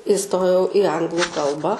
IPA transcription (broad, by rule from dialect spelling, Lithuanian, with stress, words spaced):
ɪˈstoːjɛʊ ɪ ˈɐŋɡlˠʊ ˈkɐlˠbɑː